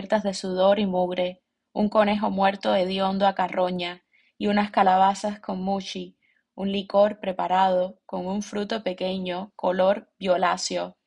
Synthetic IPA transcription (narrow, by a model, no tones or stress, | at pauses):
ɾt̪azðe̞suð̞o̞ɾimuɣɾe̞ | uŋko̞ne̞ɦo̞mwe̞ɾt̪o̞ðe̞ðjo̞nd̪oakarʔo̞ɲa | iunaskalaβ̞asasko̞ŋmut͡ʃi | unliko̞ɾpɾe̞paɾaðo̞ko̞ŋuɱfɾut̪o̞pe̞ke̞ɲo̞ko̞lo̞ɾbjo̞lasjo̞